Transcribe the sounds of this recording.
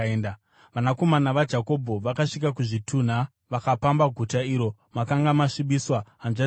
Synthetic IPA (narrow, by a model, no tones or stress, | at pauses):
enda | ʋanako̞manaʋad͡ʒako̞bʱo̞ʋakaʂik̬akuʐitʰun̤a | ʋakapambaɡʱutaiːɾo̞makaŋɡamaʂiɓiswaːnʐa